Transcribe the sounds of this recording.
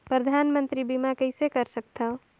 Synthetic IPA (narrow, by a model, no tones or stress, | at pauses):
pɾəd̪ʱanmənt̪ɾibimakəɪsekəɾsək̚t̪ʰə